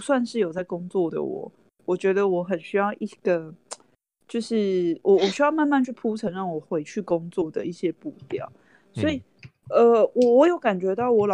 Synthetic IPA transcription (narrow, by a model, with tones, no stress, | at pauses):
swa˥˧nʂɻ̩˥˩jo˨˩ʊt͡sa˥˩ɪkʊ˥ŋt͡swɔ˥˩d̪ə̰˩wɔ̰˨˩˦ | wɔ˨˩t͡ɕɥɛ˧˦˥d̪ə˧wɔ˨˦xə˨˩nɕy˥jɑ˥˧ʊʔi˥˩ɡ̥ə˩ | t͡ɕjo˥˧ʊʂɻ̩˥˩wʔɔ˨˩˦wɔ˨˩ɕy˥jɑ˥˧ʊma˥˧nma˥˧nt͡ɕʰy˥˩pʰu˥t͡sʰə˧˦nɻɑ˥˩ŋwɔ˨˩xwe˧˥ɪt͡ɕʰy˥˩ko˦ŋt͡swɔ˥˩d̪ə̰˩i˥˩ɕjɛ˥pu˥˧t̪jɑ̰˨˩˦ʊ | swɔ˧˥i˨˩ə˧wɔ˨˩wɔ˧˦jo˧˥ʊka˨˩nt͡ɕɥɛ˧˥t̪ɑ˥˩ʊwɔ˧˥lɑ˨